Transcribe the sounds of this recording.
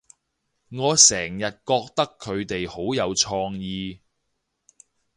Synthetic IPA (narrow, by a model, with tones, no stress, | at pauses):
ŋɔː˨˧sɛː˨˩ŋjɐ˨t̚kɔː˧k̚t̪ɐ˥kʰːɵ˨˧ɥt̪e˨jho˨˥wjɐ˨˧wt͡ʃʰɔː˧ŋjiː˧